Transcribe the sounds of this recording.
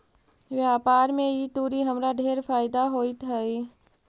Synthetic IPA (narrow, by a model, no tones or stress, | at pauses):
ʋjaːpaːɾmẽit̪uːɾiɦəmɾaɖʱeːɾfaːɪd̪aɦoːit̪ʰai